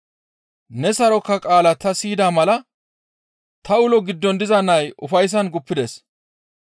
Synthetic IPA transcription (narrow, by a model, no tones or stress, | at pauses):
nɛsɐɾɔkːɐkʼaːlɐt̪ɐsiːd̪aːmɐlɐ | t̪ɐʊlɔɡɪd̪ːɔnd̪ɪzɐnːɐjʊfɐjs̬ɐnɡʊpːɪd̪ɛs